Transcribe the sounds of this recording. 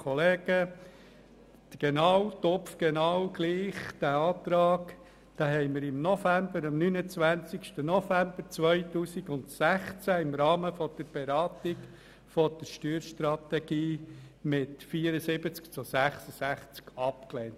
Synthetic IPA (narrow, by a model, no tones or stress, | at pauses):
kʰɔleːɡ̥ə | d̪̥ɡ̥enɑwtɔpfɡ̥ɛnɑwɡ̥liːχd̥æɑːt̪ɾɑːk | d̥ɑːɦɛɪməɾɪmnɔfæmbəɾɑmnyːnət͡sʋænt͡sikʃtənɔfæmb̥əɾt͡sʋœʏtuːsiɡʊnt̪sæχt͡sæɪmɾɑːməfɔd̥əɾb̥eɾɑːt̪ɪɡ | fɔd̥əɾʃtyːɾʃtɾɑt̪ɛɡ̥iː | mɪtfiːəɾəsɪbət͡skt͡sʊsæχsəsæχt͡skɑpklent